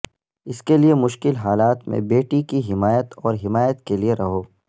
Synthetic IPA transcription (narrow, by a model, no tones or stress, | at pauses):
ɪskeliemʊʃkɪlɦaːlaːt̪mḛ̃beːʈikiɦɪmaːjət̪ɔːɾɦɪmaːjət̪kelieɾɐɦoː